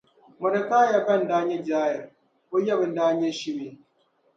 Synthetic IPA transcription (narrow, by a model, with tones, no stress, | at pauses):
mo˨da˨kaː˦ja˨ka˦˨n̩˨daː˦ɲe˦d͡ʒaː˦jɛ˨ | ko˦ja˦˨bɨ˨n̩˦daː˦ɲe˦ʃi˦me˨